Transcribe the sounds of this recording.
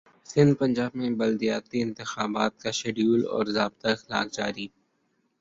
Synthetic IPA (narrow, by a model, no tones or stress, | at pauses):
sɪ̃nd̪̚pɐ̃ɲd͡ʒaːbmẽbɐld̪ijaːt̪iɪ̃nt̪ɪxaːbaːt̪̚kaʃeɖjuːlɔ̰ːɾzaːbt̪aɪxɪla̰ːkd͡ʒaːɾi